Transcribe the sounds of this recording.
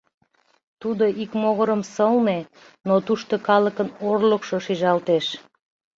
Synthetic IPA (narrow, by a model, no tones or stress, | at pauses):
t̪ud̪oʔikmoɣəɾəmsəlne | not̪uʃt̪okɑləkənorləkʃoʃiʒɑlt̪eʃ